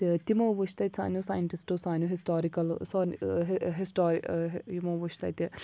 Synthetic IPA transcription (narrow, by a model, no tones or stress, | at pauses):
t̪imɐwʋuʃt̪ɐt̪ʲsa̰ːnjoːsaːjɐɳʈisʈosaːnjuɦisʈaːɾikɐlsoːɦɦisʈoːɾijimɐwʋuʃt̪ɐ̰jt̪ʲi